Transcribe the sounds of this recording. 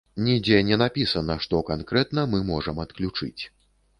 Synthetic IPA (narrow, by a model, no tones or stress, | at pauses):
nʲid͡zʲɛnʲɛnapʲisɐnɐʂt̪ɔkankɾɛt̪nɐmɨmɔʐɐmɐt̪klʲut͡ʂɨ̰t͡sʲ